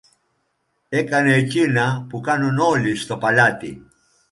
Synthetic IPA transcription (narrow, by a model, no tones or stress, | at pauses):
ekanecinapukanunolist̪opalat̪ḭ